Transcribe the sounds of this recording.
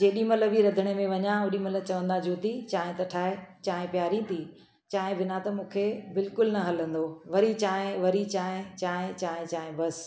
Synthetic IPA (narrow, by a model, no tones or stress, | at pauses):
d͡ʑeːɗĩmɐlə̆ʋiɾɐd̪ʱɪɽ̃emẽʋɐɲãʊ̃ɗĩmɐlə̆t͡ɕɐʋə̃nd̪ad͡ʑoːt̪it͡ɕaːɦɪ̃t̪ɐʈʰaːɦet͡ɕaːɦɪ̃pjaːɾĩt̪ʰi | t͡ɕaːɦɪ̃bɪnat̪ɐmũːkʰebɪlkʊlnɐɦɐlə̃nd̪oʋɐɾit͡ɕaːɦɪ̃ʋɐɾit͡ɕaːɦɪ̃t͡ɕaːɦɪ̃t͡ɕaːɦɪ̃t͡ɕaːɦɪ̃bɐs